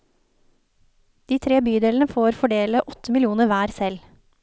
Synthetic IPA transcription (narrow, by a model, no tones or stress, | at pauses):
d̪̥iːt̪ʰɾeːbyːd̪eːlnəfoːɾfɔɖeːləʔɔt̪ʰəmɪlɪuːnəɾʋæːɾsɛl